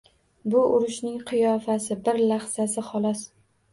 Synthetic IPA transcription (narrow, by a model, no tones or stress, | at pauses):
bʊʔʊɾɪʃnɪŋqʰɨjɒfasɪbɪɾlaχsasɪχɒlˠɒs